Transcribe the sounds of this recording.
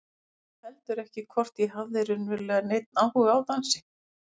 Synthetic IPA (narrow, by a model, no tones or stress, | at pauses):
θɛl̥t̪ʏɾɛhcɪkʰvɔr̥t̪iɦavðɪɾʏnvɪlɛɣanejt̪̚naːwhuɣaːwt̪ansɪ̥